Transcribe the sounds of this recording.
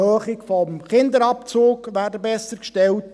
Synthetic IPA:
høːχɪkfɔmχɪnd̪əɾɑpt͡soːkʋæːrdəbɛsəɾkʃtɛlt

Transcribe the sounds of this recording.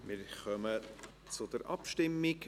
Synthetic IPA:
mɪɾχœmə | t͡sʊd̥̪əɾʔɑ̰pʃtɪmːik

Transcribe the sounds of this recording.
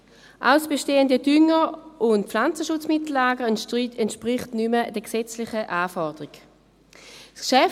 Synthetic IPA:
ʔa̰ʊsb̥eʃteːəndədʏŋəʊntpflant͡səʃʊt͡smɪtl̩laːɡəɛntʃpʁɪχtnyməd̥əksɛt͡slɪχəʔaːfɔʁdəʁiɡ | skʃɛ

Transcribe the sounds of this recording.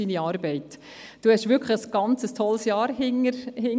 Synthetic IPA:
iniɑːɾbɛɪt | d̥uːhɛʃʋʏɾkʰχləəsɡ̥ɑnt͡səstʰɔlsjɑːɾhɪŋəɾhɪŋ

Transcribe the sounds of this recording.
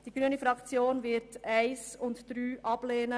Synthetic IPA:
d̥iɡɾyənifɾɑkt͡sjoːnvɪɾtæɪsʊntd̥ɾyːʔɑb̥leːnə

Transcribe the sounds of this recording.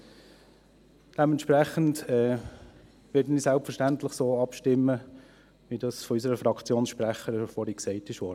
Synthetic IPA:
d̥ɛmɛntʃpɾæχəntɛː | ʋɪːdən̩isælpfəʃtæntlɪχsoːɑpʃtɪmːə | ʋidɑsfɔysəɾəfɾɑkt͡sjoːnsʃpɾæχəɾfɔːɾiksɛɪtɪʃʋɔ

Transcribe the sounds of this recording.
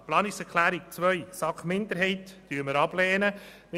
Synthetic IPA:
plɑːnɪksɛɾkʰlæːɾik̚t͡sʋœʏsɑkmɪnd̪əɾɦɛɪtd̥yːməɾɑb̥lɛːnə | m

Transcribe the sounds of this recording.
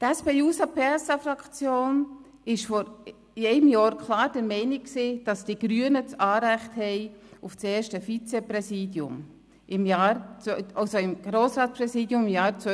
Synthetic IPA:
tɛspeuːsɑpʰesɑfɾɑkt͡sjoːn | ɪʃfɔɾ | ɛɪəmjɑːɾkʰlɑːɾd̥əɾmɛɪnɪksiːd̥ɑsd̥iɡ̥ɾyənət͡sɑːɾæɪχthɛɪuft͡seːʃtəfit͡sɛpɾɛsiːdjʊ̰m | ʔɪmjɑːɾɑlsoɪmɡ̥ɾoːsɾɑːtpɾɛsiːdjʊmɪmjɑːɾt͡sœ

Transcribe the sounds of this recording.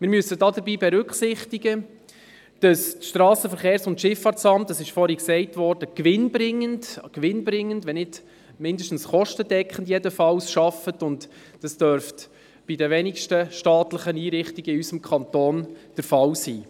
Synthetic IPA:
mɪɾmyəsːədɑːdəɾbiːbɛɾʏkχsɪχtiɡə | d̥ɑstʃtɾɑːsəfəɾχeːɾsʊntʃɪfɑːɾtsɑmtːɑsɪʃfɔːɾhiksɛɪtʋɔːrd̥əkʋɪnbɾɪŋːəndkʋɪnbɾɪŋːəndʋɛnɪd | mɪndəʃtn̩sχɔʃtədɛkχən̩djɛdəfɑwsʃɑfətʊnt | d̥ɑsd̥œɾft | b̥idəʋɛnikʃtəʃtɑːtləχəniːɾɪχtiɡ̥əɪysəmkʰɑntoːnd̥əɾfɑlsiː

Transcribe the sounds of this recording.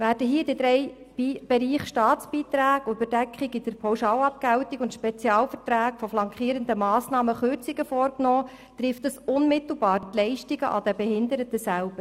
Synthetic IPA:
væːɾd̥əɦiːədidɾɛɪ | b̥ib̥eɾiːχʃtɑːt̪t͡sb̥iːt̪ɾæːɡʊb̥ədɛkχiɡid̥əɾpʰɑwʃɑːlɑp̚kæwtiɡʊntʃpɛt͡sjɑːlfətɾæːkfɔflɑŋkχiːɾənd̪əmɑːsnɑːməχørt͡siɡəfɔːɾknɔː | t̪rɪftdəsʊnmɪt̪l̩bɑːɾtlɛɪʃtiɡəʔɑ̰d̥̪ɛbɛɦɪnd̪əɾətəsælb̥əɾ

